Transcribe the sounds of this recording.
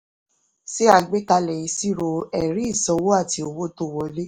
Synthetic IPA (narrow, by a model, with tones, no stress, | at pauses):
se˦a˧ɡ͡be˦ka˧lɛ˨ĩ˨˧˦si˦˨ɾo˧ɛ˨ɾĩ˦i˦˨sɔ̃˧wo˦a˦˨ti˧o˧wo˦to˦˨wɔ˧˦le˦